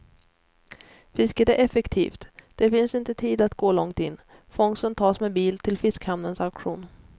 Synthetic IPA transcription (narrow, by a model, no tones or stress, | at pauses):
fɪskəd̪ɛʔɛfɛkt̪ʰḭːft̪d̪̥ɛfɪnsɪnt̪ət̪ʰiːd̪at̪ɡ̥oːlɔŋt̪ɪnː | fɔŋsənt̪ʰɑːsmɛbiːlt̪ʰɪlfɪskhamnənsaʊkɧuːn